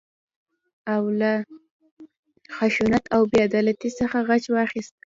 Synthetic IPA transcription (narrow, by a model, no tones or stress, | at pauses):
awla | xaʃunat̪awbjad̪ɑlat̪isəxaɣat͡ʃwɑxist̪̚